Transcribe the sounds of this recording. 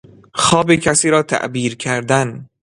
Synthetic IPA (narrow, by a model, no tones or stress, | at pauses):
xɒːbicʰæsiːɾɒːt̪ʰæ̰ʔbiːɾkʰæɾd̪æn